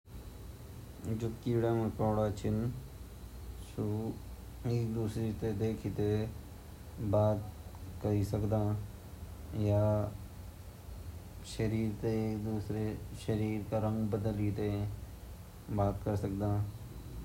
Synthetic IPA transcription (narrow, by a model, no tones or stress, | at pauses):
d͡ʒʊkiːɽaːmẽkɔːɽat͡ʃʰɪn | su | eːk̚d̪uːsɾit̪ed̪eːkʰit̪e | baːt̪̚kəɾisəkd̪ãː | jaː | ʃəɾiːɾt̪eːkd̪uːsɾeʃəɾiːɾkaɾə̃ŋɡbəd̪əlit̪e | baːt̪kəɾsəkd̪ãː